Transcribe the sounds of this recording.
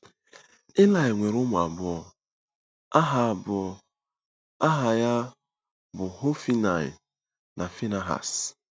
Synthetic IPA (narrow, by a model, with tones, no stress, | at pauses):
ɪ˦la˦ɪ˨ŋʷe˨ɾʊ˦mʊ˨a̰˨bʊ˦ɔ˦ | a˦ɦa˦a˨bʊ˦ɔ˦ | a˦ɦa˨ja˦ | bʊ˨ho˦fi˦na˨ɪ̰˨ | na˨fi˦na˦ɦa̰˨s